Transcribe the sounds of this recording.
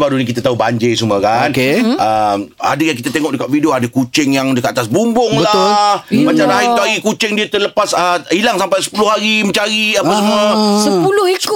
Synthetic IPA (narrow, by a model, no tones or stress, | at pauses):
baɾunik̬it̪at̪aɦubaɲd͡ʒɪsuməkankeəma̰dajaŋkit̪at̪eŋɔʔdəkat̪̚fidioadakut͡ʃɪŋjaŋdəkat̪at̪asbumbʊŋllahmat͡ʃaɾaɦait̪uaɡikut͡ʃɪŋdiət̪ərləpasəilaŋsampajsə̥pulʊhaɾiməɲt͡ʃaɾiapasəmuəsəpulʊhi